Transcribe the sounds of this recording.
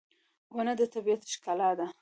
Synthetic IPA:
wənad̪ət̪abijat̪ʃkɑlɑd̪a

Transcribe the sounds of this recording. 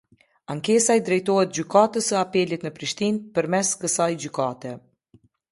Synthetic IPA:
aŋkɛsaɛd̪ɾɛjt̪ɔɦɛt̪̚d͡ʑykat̪əsəapɛlit̪nəpɾiʃt̪inpəɾmɛskəsajd͡ʑykat̪ɛ

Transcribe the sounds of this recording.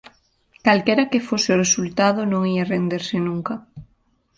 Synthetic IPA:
kalkɛɾɐkɪfosɪʊresult̪aðʊnõŋiarend̪eɾsɪnuŋkɐ

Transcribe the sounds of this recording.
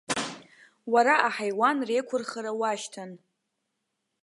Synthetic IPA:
waɾaʔaħajwanrejkʷʰʊrχaɾawaʃtʰan

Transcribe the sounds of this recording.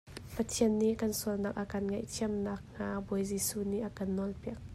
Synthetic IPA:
pɐt̪ʰiənːiʔkɐnsuəlnak̚ʔakɐnŋɐjt̪ʰiəmnak̚nabɔjzisuniʔakɐnːɔlpiək̚

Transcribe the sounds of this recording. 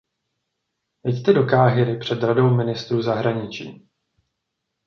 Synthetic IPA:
jɛct̪ɛdokaːɦɪɾɪpr̝̥ɛd̪ɾado̞wmɪnɪst̪ɾuːzaɦɾaɲɪt͡ʃḭː

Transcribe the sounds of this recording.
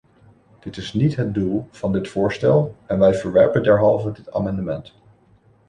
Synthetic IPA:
d̥ɪtɪsnitɦət̚dulˠv̥ɑndɪtfʊːɹstɛlˠɛnʋɛjvəɹʋɛɹpəndɛɹɦɑlˠvədɪta̰ːmɑndəmɛnt

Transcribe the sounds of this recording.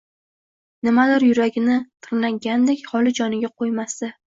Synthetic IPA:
nɪmad̪ɪɾjʊɾaɡʲɪnɪt̪ʰɨɾnaɡʲand̪ekʲhɒlɪd͡ʒɒnɪɡʲaqʰojmast̪ɪ

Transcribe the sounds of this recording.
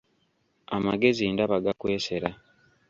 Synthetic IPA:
amaɡe̞zindaβaɡakwe̞ːse̞ɾa

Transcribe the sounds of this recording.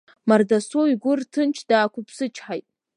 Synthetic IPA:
mardasoiɡʷʊrtʰɨnt͡ʃʰd̥aːkʷʊpʰsɨt͡ʃʰħajtʼ

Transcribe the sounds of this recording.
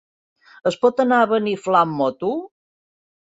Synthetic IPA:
əspɔt̪ənaəβəniflamːɔt̪u

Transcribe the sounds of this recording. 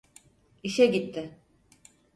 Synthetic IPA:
iʃɛɟit̪ʰːɪ

